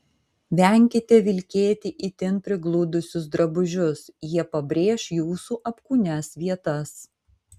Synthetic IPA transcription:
ʋʲɛˑŋʲkʲɪt̪ʲɛʋʲɪlʲkʲeːt̪ʲɪʔit̪ʲɪnpʲɾʲɪɡlˠuːd̪ʊsʲʊs̬d̪ɾɐbʊʒʲʊsjiɛpɐbʲɾʲeːʃjuːsuːʔɐpkuːnʲɛsʋʲiɛt̪ɐs

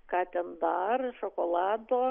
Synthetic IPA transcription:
kɑːt̪ʲɛnd̪ɐrʃokoːlˠɑːd̪oː

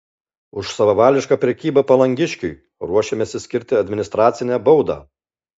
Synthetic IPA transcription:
ʊʃsɐʋɐʋɑːlʲɪʃkɑːpʲɾʲɛkʲiːbɐpɐlˠɐŋʲɡʲɪʃʲkʲʊɪ | ɾuɔʃʲemʲɛsʲɪsʲkʲɪɾʲt̪ʲɪɐd̪ʲmʲɪnʲɪst̪ɾɑːt̪sʲɪnʲɛæbɔʊd̪ɑ̰ː

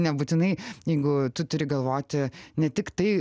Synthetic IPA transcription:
nʲɛbuːt̪ʲɪnɐɪjɛɪɡʊt̪ʊt̪ʊɾʲɪɡɐlˠʋoːt̪ʲɪnʲɛt̪ʲɪkt̪ɐɪ

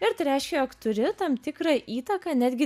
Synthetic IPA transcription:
ɪɾt̪ɐɪɾʲɛˑɪʃʲkʲɛjoːkt̪ʊɾʲɪt̪ɐmt̪ʲɪkɾɑːʔiːt̪ɐkɑːnʲæːd̪ʲɡʲɪ

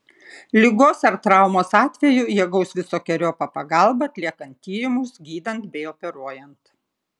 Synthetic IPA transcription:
lʲɪɡoːsɐɾt̪ɾɑˑʊmoːsɑːt̪ʲʋʲɛjʊjɛɡɐʊsʋʲɪsoːkʲɛɾʲoːpɐpɐɡɐlˠbɐɐt̪ʲlʲiɛkɐnt̪ʲːiːɾʲɪmʊsɡʲiːd̪ɐnt̪bʲɛɪopʲɛɾuɔjɛnt̪

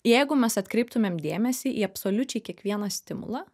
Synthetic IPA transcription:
jɛɪɡʊmʲɛsɐt̪ʲkɾʲɛɪp̚t̪ʊmʲeːmd̪ʲeːmʲɛsʲiːʔiːɐpsoːlʲʊt͡ʃʲɛɪkʲiɛkʋʲiɛnɐsʲt̪ʲɪmʊ̰lˠɑ

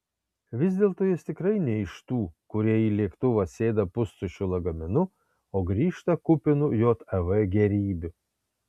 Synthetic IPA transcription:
ʋʲɪzʲd̪ʲeːlˠt̪oːjɪst̪ʲɪkɾɐɪnʲɛɪʃt̪uːkʊɾʲiɛiːlʲiɛkt̪ʊʋɐsʲeːd̪ɐpʊst̪ʊʃʲʊlˠɐɡɐmʲɪnʊ | oːɡɾʲiːʃt̪ɐkʊpʲɪnʊjoːt̪ɛʋɛɡʲɛɾʲiːbʲʊ

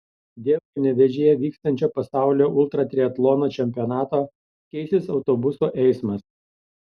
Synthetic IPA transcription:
d̪ʲeːʋkɐnʲɛʋʲɛʒʲeːjɛʋʲiːkst̪ɐnʲt͡ʃʲoːpɐsɑˑʊlʲoːʔʊlˠt̪ɾɐt̪ʲɾʲiɛt̪lˠɔːnoːt͡ʃʲɛmʲpʲɪɔnɑːt̪oː | kʲɛɪsʲɪsɒʊt̪obʊsoːʔɛɪsmɐs

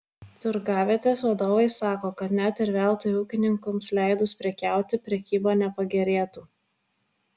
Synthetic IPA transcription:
t̪ʊɾɡɑːʋʲeːt̪ʲeːsʋɐd̪oːʋɐɪsɑːkoːkɐt̪nʲæt̪ɪɾʲʋʲɛˑlˠt̪ojuːkʲɪnʲɪŋkʊmslʲæˑɪd̪ʊspʲɾʲɛkʲæˑʊt̪ʲɪpʲɾʲɛkʲiːboːnʲɛpɐɡʲɛɾʲeːt̪uː

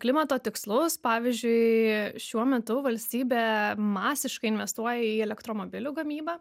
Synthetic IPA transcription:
klʲɪmɐt̪oːt̪ʲɪkslˠʊspɑːʋʲizʲd͡ʒʲʊɪʃʲuɔmʲɛt̪ʊʋɐlʲsʲt̪ʲiːbʲeːmɑːsʲɪʃkɐɪɪnʲʋʲɛst̪uɔjɛiːɛlʲɛkt̪ɾoːmoːbʲɪlʲuːɡɐmʲiːbɑː

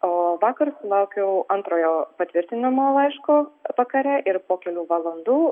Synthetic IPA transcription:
oːʋɑːkɐɾsʊlˠɐʊkʲɛʊʔɐnt̪ɾoːjoːpɐt̪ʲʋʲɪɾʲt̪ʲɪnɐmoːlˠɐɪʃkoːʋɐkɐɾʲɛʔɪɾpoːkʲɛlʲuːʋɐlˠɐnd̪uː

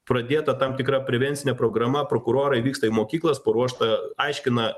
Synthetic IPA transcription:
pɾɐd̪ʲeːt̪ɐt̪ɐmt̪ʲɪkɾɐpʲɾʲɛʋʲɛnʲtsʲɪnʲɛpɾoːɡɾɐmɐpɾoːkʊɾoːɾɐɪʋʲiːkst̪ɐɪmoːkʲiːklˠɐspɐɾuɔʃt̪ɐɐɪʃʲkʲɪnɐ

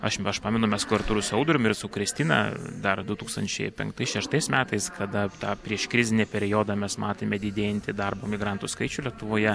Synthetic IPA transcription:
ɐʃɐʃpɑːmʲɪnʊmʲɛskʊɐɾt̪uːɾʊsɛʊd̪ɾʲomɪɾsʊkɾʲɪsʲt̪ʲinɑ̰d̪ɐrd̪ʊt̪uːkst̪ɐnʲt͡ʃʲɛ̰ɪpʲɛ̰ŋkt̪ɐɪsʃʲɛʃt̪ɐɪsmʲæːt̪ɐɪskʰɐd̪ɐt̪ɑːpʲɾʲiɛʃkɾʲɪzʲɪnʲeːpʲɛɾʲɪjoːd̪ɑmʲɛsmɑːt̪ʲeːmʲɛd̪ʲɪd̪ʲeːjɛnʲt̪ʲɪd̪ɐrboːmʲɪɡɾɑnt̪ʊskɐɪt͡ʃʲʊlʲiɛt̪ʊʋoːjɛ

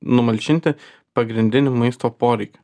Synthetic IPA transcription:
nʊmɐlʲt͡ʃʲɪnʲt̪ʲɪ | pɐɡɾʲɪnʲd̪ʲɪnʲʊmɐɪst̪oːpoːɾʲɛɪkʲʊ̥

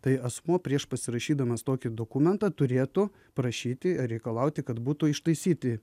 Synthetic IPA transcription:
t̪ɐɪɐsmuɔpʲɾʲiɛʃpɐsʲɪɾɐʃʲiːd̪ɐmɐst̪oːkʲɪd̪oːkumʲɛnt̪ɑt̪ʊɾʲeːt̪ʊ | pɾɐʃʲiːt̪ʲɪɾʲɛɪkɐlˠɐʊt̪ʲɪkɐt̪buːt̪ʊɪʃt̪ɐɪsʲiːt̪ʲɪ

